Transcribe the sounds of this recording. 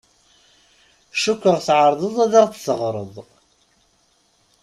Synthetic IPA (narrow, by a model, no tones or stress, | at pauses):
ʃukːəʁθʕəɾˤðˤəðˤæðɑʁtθəʁɾˤə̰ðˤ